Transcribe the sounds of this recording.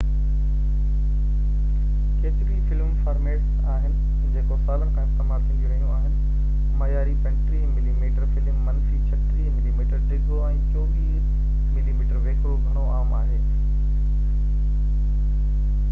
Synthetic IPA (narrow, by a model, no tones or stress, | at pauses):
keːt̪ɪɾifɪlmfaːɾmeːʈs | aːɦɪnɪ̆ | d͡ʑeːkosaːlənɪ̆kʰãːɪst̪emaːɾsɐ̃nd̪iɾɐɦijõaːɦɪnɪ̆ | mɐjaːɾipɛ̃ɳʈɾimɪlimiːʈəɾfɪlɪmːɐnsit͡ɕʰɐʈimɪlimiːʈəɾɖɪɡoɛ̃ːt͡ɕoːʋiː | mɪlimiːʈəɾʋeːkɾoɡʱɐɽ̃oaːmaːɦeː